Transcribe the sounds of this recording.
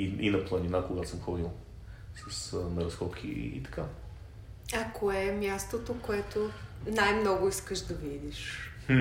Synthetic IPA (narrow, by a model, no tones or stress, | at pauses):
iḭnɐplˠɐninakoɡasəmxɔd̪ilˠ | sɐsnɐɾɐsxɔpkʰiḭt̪ɐ̥ka | ɐkoɛmʲjast̪ot̪okoɛt̪onajmnɔɡʊiskəʒd̪ɐvid̪iʃh̩